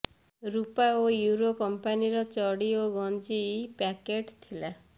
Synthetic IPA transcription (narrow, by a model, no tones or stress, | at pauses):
ɾupaojuɾokɔmpaniɾɔt͡ʃɔɽioɡɔnd͡ʒipakeʈt̪ʰila